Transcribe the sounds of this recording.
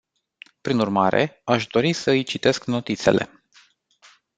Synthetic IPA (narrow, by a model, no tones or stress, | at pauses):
pɾinurmaɾe̞̰aʃd̪o̞ɾisəɨjt͡ʃit̪e̞skno̞t̪it̪se̞̰le̞̰